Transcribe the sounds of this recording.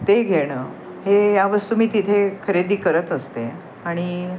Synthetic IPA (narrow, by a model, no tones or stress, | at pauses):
t̪eɡʱeɽ̃əː | hejaʋəst̪uːmiːt̪it̪ʰekʰəɾed̪iːkəɾət̪əst̪e | aɽ̃i